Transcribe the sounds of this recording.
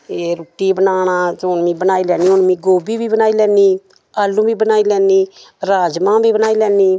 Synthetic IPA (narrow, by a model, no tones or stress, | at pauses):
eɾuːʈiːbənaːnaːd͡ʒoʊnmĩːbənaːilɛːniːʊnmĩːɡoːbiːbiːbənaːiːlɛːniː | aːlːũːbʱiːbənaːilɛːniː | ɾaːd͡ʒmãːbʱiːbənaːiːlɛːniː